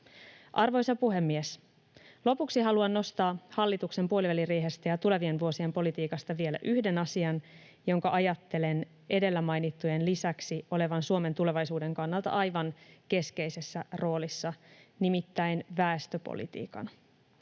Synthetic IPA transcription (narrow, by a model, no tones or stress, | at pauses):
ʔɑrʋo̞jsɑpuɦe̞mːies | lo̞puksiɦɑluɑnːo̞st̪ɑːhɑlːit̪ukse̞mpuo̞liʋælireːɦest̪æjɑt̪ule̞ʋie̞nʋuo̞sie̞mpo̞lit̪iːkɑst̪ɑʋie̞læ̰ʔyhde̞nɑsiɑn | jo̞ŋkɑʔɑjɑt̪ːe̞le̞n | ʔe̞de̞lːæmɑjnit̪ːujenlisæksio̞le̞ʋɑnsuome̞nt̪ule̞ʋɑjsuːde̞ŋkɑnːɑlt̪ɑ̰ʔɑjʋɑŋke̞ske̞jse̞sːæro̞ːlisːɑnimit̪ːæjnʋæest̪øpo̰lḭt̪ḭːkɑ̰n